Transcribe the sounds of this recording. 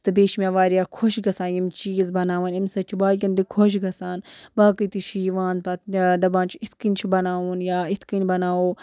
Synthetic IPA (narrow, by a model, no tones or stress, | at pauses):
t̪ɨbeːʃmʲaːʋaːɾijaːkʰoʃɡɐsaːjimt͡ʃiːzbɐnaːʋɐnimsɐt͡ʃʰibaːlkʲɐnd̪ikʰoʃ̬ɡɐsaːnbaːkɨt̪it͡ʃʰiʋaːnpɐt̪d̪ɐbaːnt͡ʃʰiit̪ʰkinʲt͡ʃʰibɐnaːuːnjaːit̪ʰkinʲbɐnaːoː